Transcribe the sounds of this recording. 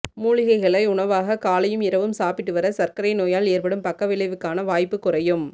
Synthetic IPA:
muːɭɪɣɐɪɣɐɭɐɪʊɳɐʋaːɣɐkaːlɐjɯmɪɾɐʋɯmsaːpɪʈːɯʋɐɾɐsɐɾkɐɾɐɪnoːjaːleːɾpɐɽɯmpɐkːɐʋɪlɐɪʋɯkːaːnɐʋaːjpːɯkːʊrɐjɯm

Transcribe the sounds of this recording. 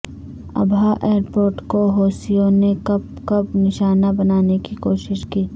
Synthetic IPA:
ɐ̰bʱaʔeːɾpoːɾʈkoɦoːsijõnekɐb̚ | kɐbnɪʃaːnabɐnaːnekikoːʃɪʃkiː

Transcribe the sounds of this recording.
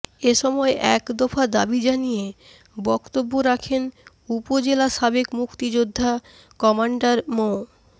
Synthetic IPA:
eʃɔmɔeʔɛkd̪ɔfad̪abid͡ʑanije | bɔkt̪obːoɾakʰen | upod͡ʑelaʃabekmukt̪id͡ʑod̪ʱːa | kɔmaɳɖaɾmo

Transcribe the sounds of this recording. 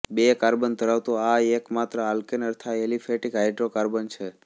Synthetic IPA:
bekaɾbənt̪əɾaʋt̪oaekmat̪ɾəalkenəɾt̪ʰaelifʰeʈikɦajɖɾokaɾbənt͡ʃʰe

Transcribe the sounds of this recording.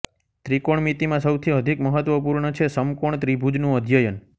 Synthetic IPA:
t̪ɾikoɳmit̪imãsəwt̪ʰiəd̪ʱikməɦət̪ʋəpuɾɳət͡ʃʰesəmkoɳt̪ɾibʱud͡ʒnũəd̪ʱjəjən

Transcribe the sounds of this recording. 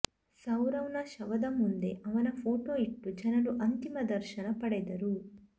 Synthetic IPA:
sɐwɾɐwnɐʃɐʋɐd̪ɐmund̪e̞ʔɐʋɐnɐpʰo̞ːʈoːiʈːud͡ʒɐnɐɾuʔɐnt̪imɐd̪ɐɾʃɐnɐpɐɽed̪ɐɾu

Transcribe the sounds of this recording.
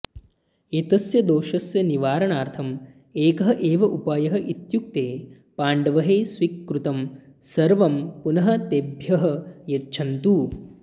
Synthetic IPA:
et̪ɐsjɐd̪oːʃɐsjɐniʋaːɾɐɳaːɾt̪ʰɐm | eːkɐɦɐʔeːʋɐʔupaːjɐɦɐʔit̪juk̚t̪eː | paːɳɖɐʋɐɦeːsʋikːɾut̪ɐm | sɐɾʋɐmpunɐɦɐt̪ebʱjɐɦɐjɐtːt͡ʃʰɐnt̪uː

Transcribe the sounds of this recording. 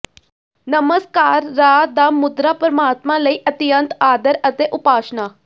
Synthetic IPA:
nəməskaːɾːaːd̪aːmʊd̪ɾaːpəɾəmaːt̪mãləiːʔət̪ɪjə̃nt̪aːd̪əɾət̪eʔʊpaːʃnaː

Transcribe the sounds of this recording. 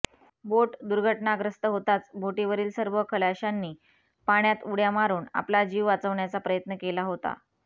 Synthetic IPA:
boʈd̪uɾɡʱəʈnaɡɾəst̪əɦot̪at͡sbʱoʈiʋəɾiːlsəɾʋəkʰəlaɕanːiː | paɽ̃jat̪uɽjamaɾuːna̰plad͡ʑiʋʋat͡səʋɳjat͡sapɾəjət̪nəkelaɦot̪a̰

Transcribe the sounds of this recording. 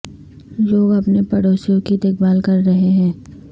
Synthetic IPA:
loːɡɐpnepɐɽoːsijõkid̪ek̚baːlkɐɾːɐɦeɦɛ̃ː

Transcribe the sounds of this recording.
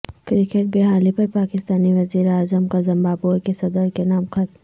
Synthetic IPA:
kɾɪkeʈ̚beɦaːlipɐɾpaːkɪst̪aːniʋɐziːɾeaːzəmkazɪ̃mbaːbokesɐd̪əɾkenaːmxʰɐt̪̚m

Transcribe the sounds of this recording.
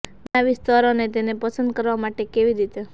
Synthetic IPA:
baʋist̪aɾonet̪enepəsənd̪̚kəɾʋamaʈekeʋiɾit̪e

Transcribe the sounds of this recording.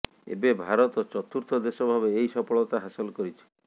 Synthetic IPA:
ḛbebʱaɾɔt̪ɔt͡ʃɔt̪uɾt̪ʰɔd̪esɔbʱabeːjsɔpɔɭɔt̪aɦasɔlɔkɔɾit͡ʃʰi̥

